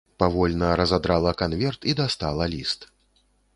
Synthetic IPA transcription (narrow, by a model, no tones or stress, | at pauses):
pavɔlʲnɐɾɐzad̪ɾalˠɐkanvʲɛrt̪id̪ast̪alˠɐlʲist̪